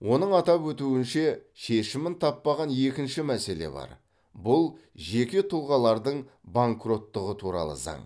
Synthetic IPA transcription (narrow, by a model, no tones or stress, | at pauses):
wʔo̞nəɴɑt̪ɑpwɵt̪uɪnʃe̞ʃe̞ʃɪmɪnt̪ʰɑpːɑʁɑnje̞kʲɪnʃɪmæse̞le̞̰bɑ̰ɾ | bʊlˠ | ʒe̞kʲe̞t̪ʰulˠʁɑlˠɑɾd̪əɴbaŋkro̞t̪ːəʁət̪ʰuɾɑ̰lˠə̰zɑ̰ɴ